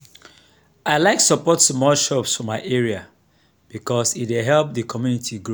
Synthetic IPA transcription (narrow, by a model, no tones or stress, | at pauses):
aɪlaɪksəpɔtsmɔlʃɔpsfɔmaɪʔɛɹia | b̥ikɔsitweɦɛlp̚ðəkʰɔmjunitʰiɡɹo